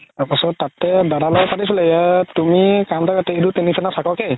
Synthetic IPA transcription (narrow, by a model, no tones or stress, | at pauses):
apasɔtːatɛdaɾalɔpatis̬ulaatumikamtʰakatɛedutinisanatʰakɔkej